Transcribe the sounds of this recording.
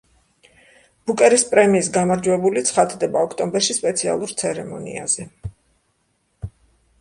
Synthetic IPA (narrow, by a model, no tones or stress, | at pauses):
b̥ukʼɛɾispʼɾɛmiːs̬ɡamaɾd͡ʒwɛbulit̪sʰχad̪ʰd̪ɛbaɔkʰt̪ʼɔmbɛɾʃispʼɛt̪sʰia̰lˠuɾt̪sʰɛɾɛmɔ̰nḭa̰z̥ɛ